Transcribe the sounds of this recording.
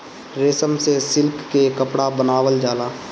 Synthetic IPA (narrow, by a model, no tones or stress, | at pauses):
ɾeːsəmsesɪlkːekəpɽabənaːʋəld͡ʒaːlaː